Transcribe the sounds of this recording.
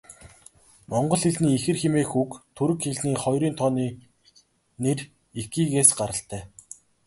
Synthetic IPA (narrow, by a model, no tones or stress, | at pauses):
mɔɴɢɞ̆ɮxeɮniːixɘ̆rxemeːxukt̪ʰuɾɵɘ̆kxeɮniːχɔjɾiːnt̪ʰɔniː | ner | iɡiːɣeːsɢaɾə̆ɬt̪æː